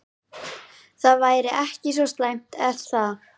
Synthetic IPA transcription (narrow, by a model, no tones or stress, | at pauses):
θaðvaːjɾɪʔɛhcɪs̬vɔst̪lajm̥t̪ɛθað